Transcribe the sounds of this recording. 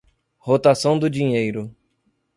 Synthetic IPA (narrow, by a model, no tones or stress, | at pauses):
hot̪asɐ̃w̃d̪ʊd͡ʒĩɲejɾʊ